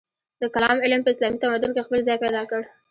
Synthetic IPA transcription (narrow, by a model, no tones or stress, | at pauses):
d̪̥əkalɑmɪlmpəɪslɑmit̪amad̪ʊnkexpəlzɑjpɛjd̪ɑkəɽ